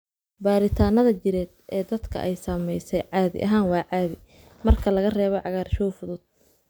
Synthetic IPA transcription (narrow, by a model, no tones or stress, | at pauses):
baːɾɪt̪ʰaːnɐðɐt͡ʃɪɾɛːd̪̚ʔɛːd̪ɐd̪kʰɐ̰ʔɛjsɐmɛjsɛjʕɑːðɪ̰ʔɐɦaːnwɑːʕɑːðɪ | mɐrkʰɐlɐɣɐrɛːβɔʕɑɣaːrʃɔːfʊðʊd̪̥̚